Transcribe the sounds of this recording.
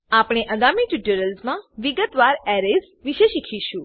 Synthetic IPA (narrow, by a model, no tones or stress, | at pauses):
apɽ̃eʔəɡamiʈiʈəɾəlzmãʋiɡət̪ʋaɾɛɾez | ʋiʃeʃikʰiʃũ